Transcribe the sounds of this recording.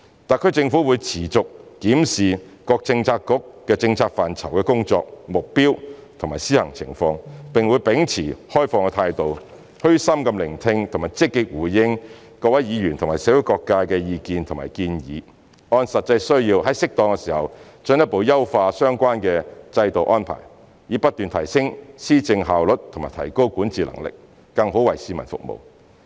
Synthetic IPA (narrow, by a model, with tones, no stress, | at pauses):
t̪aː˨˩kʰɵ˥t͡sɪ˧ŋfu˨˥wuː˨˧jt͡sʰiː˨˩t͡sʊ˨k̚ːiː˨˥msiː˨˩ | kɔː˧k̚t͡sɪ˧ŋt͡sʰaː˧kːʊ˥kːɛː˧t͡sɪ˧ŋt͡sʰaː˧k̚faː˨˩nt͡sʰɐ˨˩wkɛː˧kʊ˥ŋt͡sɔ̰ː˧k̚mʊ˨k̚piː˥wt̪ʰʊ˨˩ŋmaː˨jsiː˥hɐ˨˩ŋt͡sʰɪ˨˩ŋfɔː˧ŋpɪ˨˩ŋwuː˨˧jpɪ˨˧˥ŋt͡sʰiː˨˩hɔː˥jfɔː˧ŋkɛ˧t̪ʰaː˧jt̪o˨w | hɵ˥sɐ˥mkɐ˧mlɪ˨˩ŋt̪ʰɪ˧ŋt̪ʰmaː˨˩jt͡sɪ˥kːɪ˧k̚wuː˨˩jjɪ˥ŋ | kɔː˧wɐ˨˥jjiː˨˧jy˨nt̪ʰʊ˨˩maː˨˩sɛː˨˥wu˨˥jkɔː˧kːaː˧kɛː˧jiː˧kiː˧nt̪ʰʊ˨˩ŋma̰ː˨˩jkiː˧njḭː˨˧ | ɔː˧nsɐ˨t̚t͡sɐ˧jsɵ˥ɥjiː˧wɦɐ˨˥jsɪ˥k̚t̪ɔː˧ŋkɛ˧siː˨˩hɐ˨w | t͡ʃɵ˨˥njɐ˥t̚po˨˧wjɐ˥wfaː˧sœː˥ŋkʷaː˥nkɛː˧t͡sɐ˧jt̪o˨wʔɔː˥npʰa̰ː˨˩j | jiː˨˥pɐ˥t̚t̪yː˨nt̪ʰɐ˨˩jsɪ˥ŋsiː˥t͡sɪ˧ŋɦaː˨wlɵ˨t̚t̪ʰo˨˩maː˨˩t̪ʰɐ˨˩jko˥wkʷuː˨˥nt͡siː˨lɐ̰˨˩ŋlɪ̰˨k̚ː | ɐ˧ŋɦo˨˥wɐ˨˩jsiː˨˧mɐ̰˨˩nfʊ̰˨k̚mo̰˨w